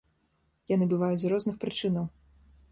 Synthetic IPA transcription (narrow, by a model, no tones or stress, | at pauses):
janɨbɨvajud͡zʲzɾɔznɨxpɾɨt͡ʂɨnɐw